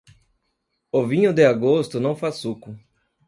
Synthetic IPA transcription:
ovĩɲʊd̪ɪaɡost̪ʊnɐ̃w̃fasukʊ

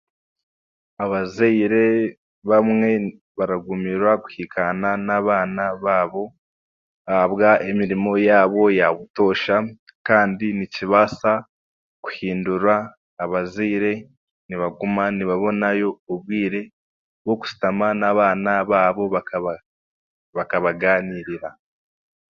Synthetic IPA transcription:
aβazeiɾe̞ | βamŋe̞ | βaɾaɡumiɾwaɡu̥hikʰananaβaːnaβaːβo̞ | aaβɡaemiɾimo̞jaːβo̞jaβuto̞ːʃakaːndiniciβasa | ku̥hiːnduɾaː | βaziːɾe̞ | niβaɡumaniβaβo̞najo̞ːβwiːɾe̞ | βwo̞ku̥si̥tamanaβaːnaβaːβo̞βak | βakaβaɡaːniːɾiɾa

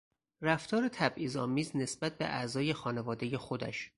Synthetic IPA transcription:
ræft̪ʰɒːɾet̪ʰæbʔiːzɒːmiːzne̞sbæt̪̚ʰbe̞̰ʔæ̰zɒːje̞xɒːne̞vɒːd̪eje̞xo̞d̪æ̰ʃ

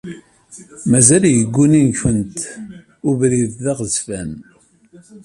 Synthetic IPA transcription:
mæzæljəɡʷːuninçənt̪ | ʊvɾiððaʁəzfæn

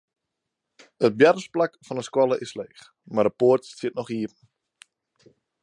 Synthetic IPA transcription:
ət̚bjɛrəsplakfɔnəskwɔlˠəʔɪsleːχ | mardəpoərttiətnɔχiəpən̩

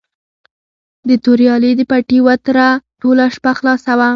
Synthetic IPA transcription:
d̪ət̪oɾjɑled̪əpaʈiwat̪ɾaʈolaʃpaxlɑsawa

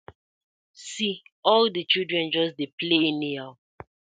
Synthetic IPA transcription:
siɔldit͡ʃildɹɛ̃nd͡ʒɔsdepleĩnia

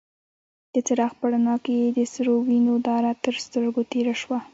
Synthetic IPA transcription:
d̪̥ət͡saɾɑxpaɽanɑkjed̪əsəɾowinod̪ɑɾat̪əɾst̪əɾɡot̪eɾaʃwa

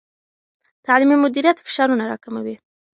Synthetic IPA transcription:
t̪aʕliːmɪlmʊd̪iːɾijaːt̪fʃɑːɾunaɾˤɑ̰kamabi

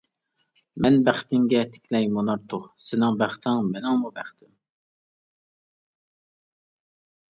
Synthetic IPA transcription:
mɛnbæχt̪ɪŋɡʲɛt̪ʰɪ̥kʲʰlɛjmonɑɾt̪ʰʊʁsɪnɪŋbæχt̪ʰɪŋmɪnɪŋmubæχt̪ʰɪm

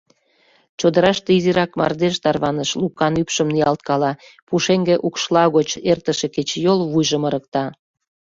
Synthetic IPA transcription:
t͡ɕod̪əɾɑʃt̪eiziɾɑkmɑ̰rd̪eʃt̪ɑrβɑnəʃlukːɑnypʃəmnijɑlt̪̚kɑlɑ | puʃeŋɡeʔukʃlɑɣot͡ɕert̪əʃeket͡ɕjolβujʒəməɾək̚t̪ɑ

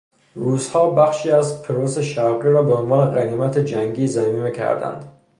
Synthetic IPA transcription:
ruːzhɒːbæχʃiːæzpʰeɾoseʃævʁiɾɒːbeonvɒːneɣæniːmæt̪ʰed͡ʒæŋɡiːzæmiːmecʰæ̰ɾd̪æ̰nd̪̥

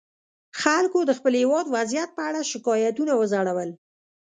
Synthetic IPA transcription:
xalkod̪əxpəlhewɑd̪wazjat̪̚pəaɽaʃɪkɑjat̪unawəzaɽawəl

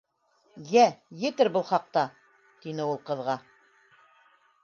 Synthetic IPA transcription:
jæjɘ̆t̪ɘɾbɤlˠχɑq̚t̪ɑ | t̪inɘulˠqɤ̆ðʁɑ

